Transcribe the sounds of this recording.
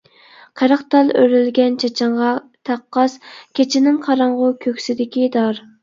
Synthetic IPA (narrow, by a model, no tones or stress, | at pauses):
qʰæɾɑχt̪ɑlˠøɾɪlɡʲɛnt͡ʃʰɑt͡ʃʰɑɴʁɑ | t̪ʰæqːɑskʲʰet͡ʃʰɪnɪŋqʰɑɾɑɴʁʊkʲʰøkʲsɪd̪ɪkʲid̪ɑɾ